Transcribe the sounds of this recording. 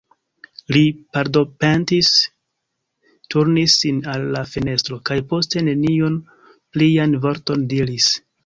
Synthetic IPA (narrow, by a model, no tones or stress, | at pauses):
lipaɾdo̞pentis | tuɾnisːinalːafene̞stɾo̞kajpo̞ste̞ne̞niun | plianvo̞ɾto̞ndiɾis